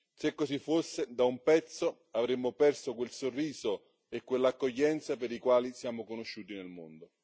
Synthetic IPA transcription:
sekːosifːosːed̪aumpɛt̪sːo | avɾemːopɛrsokwelsorːiːzo | ekːwelːakːoʎːɛnt̪sapeɾikwaːlisjaːmokonoʃːuːt̪inelmo̰nd̪o

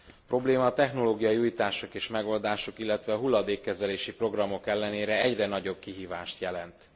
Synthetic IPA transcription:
pro̞bleːmɒːt̪ɛxno̞loːɡijɒiuːjt̪aːʃokeːʃmɛɡo̞ːld̪aːʃokilːɛt̪ʋɛɒɦulːɒd̪eːkːɛzɛleːʃipro̞ɡrɒmo̞kɛlːɛneːɾɛɛɟrɛnɒɟo̞b̚kiɦiːva̰ːʃt̪jɛlɛnt̪

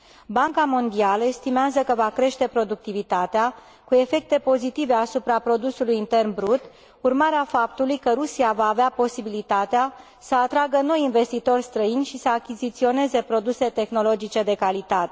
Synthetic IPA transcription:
baŋkamo̞nd̪ialəest̪imeazəkəvakɾe̞ʃt̪e̞pɾo̞d̪uk̚t̪ivit̪at̪ea | kue̞fe̞k̚t̪e̞po̞zit̪ive̞asupɾapɾo̞d̪usulujint̪e̞rnbɾut̪ | urmaɾeafap̚t̪ulujkəɾusiavaːveapo̞sibilit̪at̪ea | səat̪ɾaɡəno̞jinve̞st̪it̪o̞rʲst̪ɾəinʲʃisəakʲizit̪sio̞ne̞ze̞pɾo̞d̪use̞t̪e̞xno̞lo̞d͡ʒit͡ʃe̞d̪e̞kalit̪at̪e̥

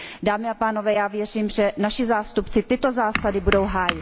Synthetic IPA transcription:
daːmɪapaːno̞vɛːjaːvjɛr̝iːmʒɛnaʃɪzaːst̪upt͡sɪt̪ɪt̪o̞zaːsadɪbudo̞wɦaːjɪt̪

